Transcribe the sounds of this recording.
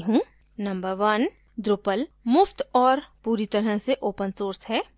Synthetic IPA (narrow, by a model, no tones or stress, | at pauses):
ɦũː | nɐ̃mbəɾʋɐn | d̪ɾʊpəlmʊft̪ɔːɾpuːɾit̪ɐɾəɦseʔoːpənsoːɾsɦɛː